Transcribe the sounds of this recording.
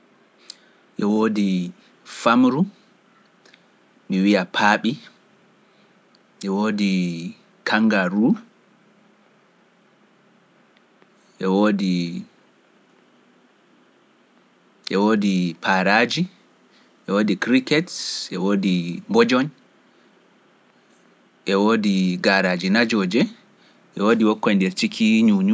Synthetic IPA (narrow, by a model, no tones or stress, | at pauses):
ʔɛwoːdi | famɾu | miwijapʰaːɓi | ʔɛwoːdi | kʰaŋɡaɾu | ʔɛwoːdi | ʔɛwoːdipʰaːɾaːd͡ʒi | ʔɛwoːdikɾikɛtʔɛwoːdimbɔd͡ʒɔn | ʔɛwoːdiɡaɾaːd͡ʒinad͡ʒɔːd͡ʒɛ | ʔɛwoːdiwɔkːɔjndɛɾt͡ʃikʰiɲuɲu